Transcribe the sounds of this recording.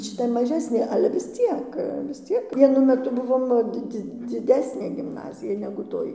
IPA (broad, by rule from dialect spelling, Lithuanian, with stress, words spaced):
ʃʲɪˈtɐ mɐˈʒʲæːsʲnʲeː ˈɑːlʲɛ ʋʲɪs ˈt͡sʲiɛk ʋʲɪs ˈt͡sʲiɛk ʋʲiɛˈnʊ mʲɛˈtʊ ˈbʊʋoːm ˈdʲɪ ˈd͡zʲɪ d͡zʲɪˈdʲæːsʲnʲeː ɡʲɪmˈnɑːzʲɪjɛ nʲɛɡʊ ˈtoːj